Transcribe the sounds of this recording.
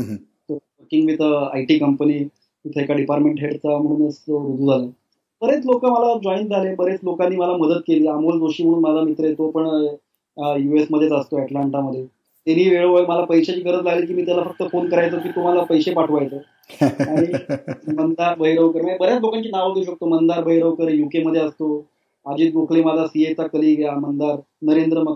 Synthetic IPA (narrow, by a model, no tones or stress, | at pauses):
t̪əʋəɾkiŋɡmiːt̪ʰəajʈiːkəmpəniː | it̪ʰəekaɖipaɾʈmeɳʈɦeʈt͡sam̤əɽ̃uːnəsloɾud̪ʱuːd͡zʱale | b̥əɾet͡slokəməlad͡ʑɔind͡zʱalebəɾet͡slokanːiːməlaməd̪ət̪̚keliːamold͡zoɕiːm̤əɽ̃uːnməlamit̪ɾəjet̪opəɳ | juesməd̪ʱːet͡səst̪oɛʈlaɳʈaməd̪ʱːje | t̪eniːʋeɭəʋəjməlapəjɕat͡ɕiːkəɾət͡slaɡliːk̬iːmiːt̪jalafək̚t̪əfonkəɾajt͡səːkiːt̪um̤alapəjsepaʈʰʋajt͡so | aɽ̃imənd̪aɾbʱəɦiɾəʋkəɾmbəɾjat͡slokaɲt͡ɕiːnaʋad̪euɕ̬ək̚t̪omənd̪aɾbʱəɦiɾəʋkəɾjukeməd̪ʱjeəst̪o | ad͡ʑiːt̪̚ɡokʰlemad͡zasiet͡sakəliːɡʱeamənd̪aɾ | nəɾend̪ɾəmə